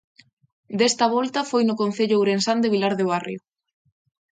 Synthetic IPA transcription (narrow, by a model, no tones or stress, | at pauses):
d̪est̪ɐβɔlt̪ɐfojnʊkon̟θeʎʊawɾensand̪eβilaɾðeβ̞arjo